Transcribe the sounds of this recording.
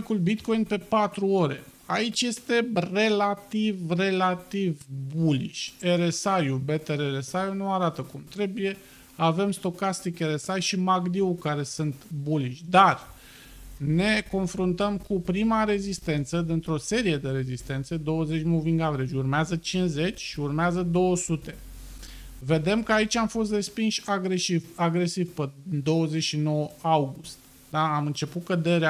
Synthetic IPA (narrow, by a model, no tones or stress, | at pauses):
kulbit̪ko̞jnpe̞pat̪ɾuo̞ɾe̞̰ | ait͡ʃʲje̞st̪e̞re̞lat̪ivre̞lat̪ivbulḭʃʲe̞ɾesajube̞t̪eɾeɾesajunuaɾat̪əkumt̪ɾe̞buje̞ | ave̞mst̪o̞kast̪ike̞ɾe̞sajʃimaɡd̪iukaɾe̞sɨnt̪buliʃʲd̪ar | ne̞ko̞nfɾunt̪əmkupɾimaɾe̞zist̪e̞nt̪səd̪int̪ɾo̞se̞ɾije̞d̪e̞ɾe̞zist̪e̞nt̪se̞d̪o̞wəze̞t͡ʃʲmuviŋɡavɾed͡ʒʲurmeazət͡ʃinze̞t͡ʃʲʃiurmeazəd̪o̞wəsut̪e̞ | ve̞d̪e̞mkəait͡ʃʲamfo̞s̬t̪re̞spinʃʲaɡɾeʃivaɡɾe̞sivped̪o̞wəze̞t͡ʃʃino̞wəawɡust̪ | d̪aamɨnt͡ʃe̞put̪̚kəd̪e̞ɾea